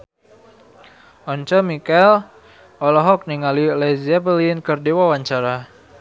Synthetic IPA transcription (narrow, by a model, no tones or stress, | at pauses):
ʔɔɲt͡ʃɔmikɛl | ʔɔlɔɦɔk̚niŋalilɛzɛpəlinkərdiwawaɲt͡ʃaɾa